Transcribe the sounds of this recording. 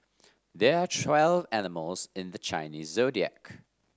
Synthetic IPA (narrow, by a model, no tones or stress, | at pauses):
ðəɹətʰw̥ɛlˠvænɪməlˠz̥ɪ̃nðət͡ʃʰã̰ɪ̃nizːoʊdiɛ̰k